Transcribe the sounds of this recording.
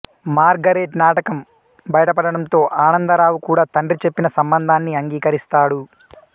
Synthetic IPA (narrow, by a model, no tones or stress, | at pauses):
maːɾɡɐɾeːʈnaːʈɐkɐm | bɐjɐʈɐpɐɽɐɽɐmt̪o̞ːʔaːnɐnd̪ɐɾaːwukuːɽaːt̪ɐɳɖrɾit͡ʃe̞pːinɐsɐmbɐnd̪ʱaːnːiɐŋɡiːkɐɾist̪aːɽu